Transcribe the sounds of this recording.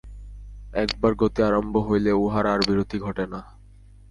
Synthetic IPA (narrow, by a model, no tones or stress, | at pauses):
ɛkbaɾɡot̪iaɾombʱoɦojleuɦaɾaɾbiɾod̪ʱiɡʱɔʈena